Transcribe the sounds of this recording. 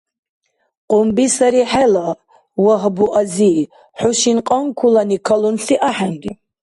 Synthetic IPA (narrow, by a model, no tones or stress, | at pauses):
qʼʊmbisaɾiħɛla | waɦbuʔazi | ħʊʃinqʼaŋkʰulanikʰalunɬiʔaħanɡi